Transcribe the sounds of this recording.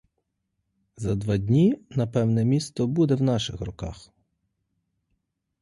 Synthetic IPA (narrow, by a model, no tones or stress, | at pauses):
zɐd̪ʋɑdʲnʲinɐpɛwnɛmʲist̪ɔbud̪ɛwnɑʃɪxrɔkɑ̰x